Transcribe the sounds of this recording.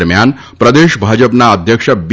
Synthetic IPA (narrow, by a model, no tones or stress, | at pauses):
ɾmjan | pɾəd̪eʃbʱad͡ʒəpnaəd̪ʱjəkʃəb